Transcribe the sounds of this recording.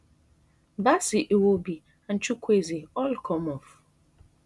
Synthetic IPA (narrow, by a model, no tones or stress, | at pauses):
basiʔewobi | an̩t͡ʃukʷeziɔlkʰɔmɔf